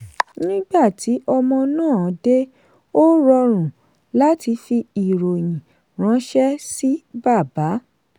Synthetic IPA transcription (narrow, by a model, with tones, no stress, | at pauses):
nĩ˦ɡ͡ba˦˨ti˨˦ʔɔ˧mɔ̃˧nãː˦˨˦de˦ | o˦ɾɔ˧ɾ̃ũ˨ | la˦ti˧fi˧i˨ɾo˨j̃ĩ˨ | ɾ̃ã˨˦ʃɛ˦si˦ba˦˨ba˨˦